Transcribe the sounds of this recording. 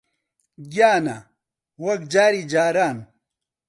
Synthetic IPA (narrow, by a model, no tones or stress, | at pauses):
ɡjaːna | wɐkd͡ʑaːɾid͡ʑaːɾaːn